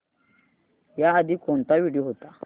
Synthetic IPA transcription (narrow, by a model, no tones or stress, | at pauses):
jaːdikɔnt̪awiɖihut̪a